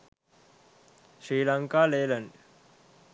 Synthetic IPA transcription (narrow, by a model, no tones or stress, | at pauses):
ʃɾiːlaŋkaːleːlən